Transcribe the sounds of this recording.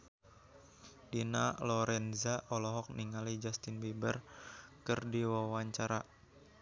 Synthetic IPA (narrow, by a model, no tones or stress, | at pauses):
dina̰lɔɾɛnzaʔɔlɔɦɔk̚niŋalid͡ʒast̪inbebərkərdiwawaɲt͡ʃaɾa